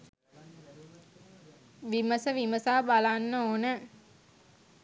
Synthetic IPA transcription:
ʋiməsəʋiməsaːbalanːəoːnə

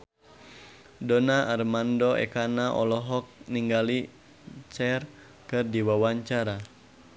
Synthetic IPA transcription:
dɔnaʔarmandɔɛ̰kanaʔɔ̰lɔɦɔk̚niŋɡali | t͡ʃɛr | kɨrdiwawaɲt͡ʃaɾa

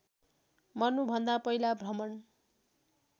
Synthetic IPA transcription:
mʌnubʱʌnd̪apʌilabʱrʌmʌn

